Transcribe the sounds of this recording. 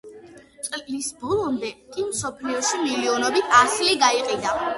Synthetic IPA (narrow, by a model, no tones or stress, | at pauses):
t̪sʼlisbɔlˠɔmd̪ɛkʼimsɔpʰliɔʃimiliɔnɔbit̪ʰasliɡaiqʼid̪a